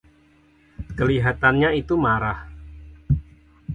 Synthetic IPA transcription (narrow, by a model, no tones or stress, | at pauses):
kəliɦat̪anɲait̪umaɾah